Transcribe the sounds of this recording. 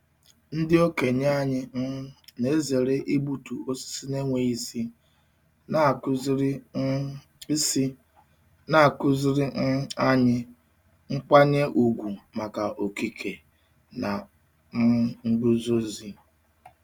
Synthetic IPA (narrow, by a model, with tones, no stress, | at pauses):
n̩˦dɪ˦o˦ke˨ɲ˦a˦ɲɪ˦ne˦ze˨ɾe˦ʔi˦bu˦tu˨o˦si̥˦si˦ne˦ŋʷe˨i˦si˦ | na˨kʊ˦zɾ | si˦ | na˨a˨kʊ˦zɪ˦ɾɪ˦a˦ɲɪ˦ | ŋ̩˦k͡pa˦ɲe˦ʔu˨ɡʷu˨ma˨ka˨ʔo˨ki˦kʰe˨ | na˨˦ | ŋ̩˦ɡ͡bu˦zo˦zi˦